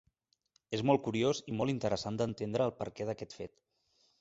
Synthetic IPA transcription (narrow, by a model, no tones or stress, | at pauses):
ezmɔlˠkuɾiozimɔlˠint̪əɾəsand̪ənt̪end̪ɾəːlˠpə̰ɾkɛðəkɛt̪fḛt̪